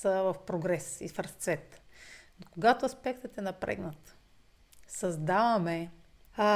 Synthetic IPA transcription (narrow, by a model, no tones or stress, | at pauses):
səvɐfpɾoɡɾɛsḭfɾəst̪svɛt̪ | koɡat̪oɐspɛkt̪ət̪ɛnɐpɾɛ̰ɡnət̪ | sɐzd̪avɐmɛ | a